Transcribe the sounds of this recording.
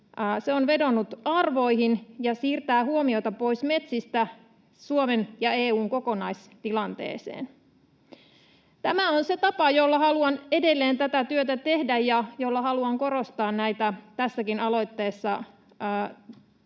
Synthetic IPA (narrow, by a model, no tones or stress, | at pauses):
seonʋe̞do̞nːut̪ɑrʋo̞iɦinjɑsiːrt̪æːhuomio̞t̪ɑpo̞isme̞t̪sist̪æ | suomenjɑeːuːŋko̞konɑis | t̪ilɑnt̪ḛːsḛːn | t̪æmæonset̪ɑpɑjolːɑhɑluɑne̞de̞lːeːnt̪æt̪æt̪yøt̪æt̪e̞hdæjjɑjolːɑɦɑluɑŋko̞ɾost̪ɑːnnæijt̪æt̪æsːækinɑlo̞jt̪ːeːsːɑː